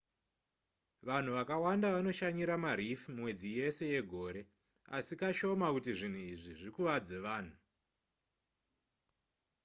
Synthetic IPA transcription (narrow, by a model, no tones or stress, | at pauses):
ʋan̤uʋakawandaʋano̞ʃaɲiɾamaɾifmwe̞d͡zije̞se̞je̞ɡʱo̞ːɾe̞ | a̰sikaʃo̞makutiʐin̤uiʐiʐikuʋad͡ze̞ʋaːn̤u